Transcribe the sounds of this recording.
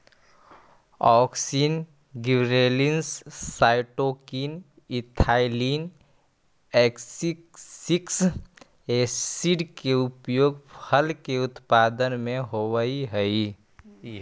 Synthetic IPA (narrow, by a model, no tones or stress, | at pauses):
ɔːksin | ɡibɾelinsːaːɪʈoːkiːn | ɪt̪ʰaːɪliːn | ɛːksiksiks | essiɖkeʊpjoːɡpʰəlkeʊt̪paːd̪ənmẽɦowəiɦəi